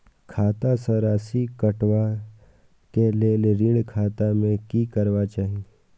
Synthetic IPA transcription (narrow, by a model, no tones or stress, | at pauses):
kʰaːt̪asəɾaːsikɐʈʋa | keleːleɾĩɳkʰaːt̪amẽkikɐɾʋat͡ʃaːɦi